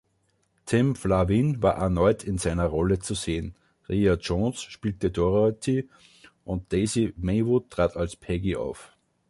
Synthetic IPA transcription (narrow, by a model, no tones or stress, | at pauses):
tʰɪmflavinvaːɐʔɛɐnɔʏtʰɪnzaɪnɐʁɔlət͡suzeːən | ʁiatt͡ʃonsʃpiːltədoʁatʰi | ʔʊnt̚d̥eɪzimeɪvʊtʁ̥aːtʰalspʰɛɡiʔa̰ʊf